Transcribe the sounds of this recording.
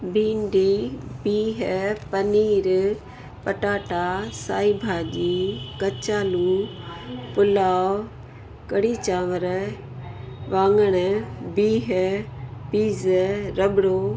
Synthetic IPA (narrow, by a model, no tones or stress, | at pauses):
bʱĩːɳɖibiːɦpəniːɾ | pəʈaːʈaːsaːiːbʱaːʄiːkɐt͡ʃaːluː | pʊlaː | kəɽiːt͡ʃãːʋəɾ | ʋãːŋɡəɽ̃əbiːɦ | piːzɾəɓɽoː